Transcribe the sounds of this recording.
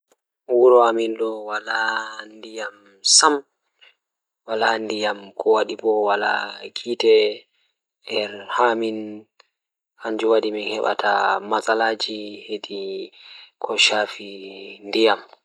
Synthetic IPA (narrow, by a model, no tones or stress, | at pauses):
wuɾɔaminɗɔwalandijam | sam | walandijamkʰɔwaɗibɔwala̰kʰitɛ | ɛɾhamin | haɲd͡ʒuwaɗiminhɛɓa̰tʰa̰masalad͡ʒihedi | kʰɔʃafindijam